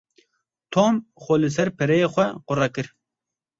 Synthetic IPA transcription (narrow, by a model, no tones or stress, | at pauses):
t̪ʰoːmxoːlɨs̬ɛɾpʰɛɾɛjexʷɛqʊrɑkɨɾ